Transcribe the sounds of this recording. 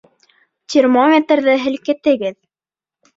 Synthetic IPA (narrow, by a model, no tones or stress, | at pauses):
t̪ʲɪrmomʲet̪rðɘɦɘ̆lkɘ̆t̪ɘ̆ɡɘð